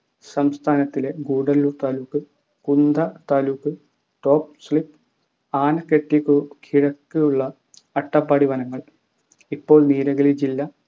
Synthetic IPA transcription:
sɐmst̪ʰaːnɐt̪ːile̞ɡuːɽɐlːuːrt̪aːlukːɨ | kund̪ɐt̪aːlukːɨ | ʈo̞ːp̚sɭipː | aːnɐkːeʈːikːukʰiɻɐkːɨjuɭːɐ | ɐʈːɐpːɐːɽiʋɐnɐŋːɐɭ | ipːo̞ːɭniːɾɐɣɐlid͡ʑilːɐ

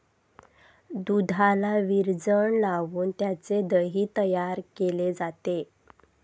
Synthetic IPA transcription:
d̪ud̪ʱalaʋiɾd͡zəɳlaʋuːnt̪jat͡sed̪əɦiːt̪əjaɾkeled͡zat̪e

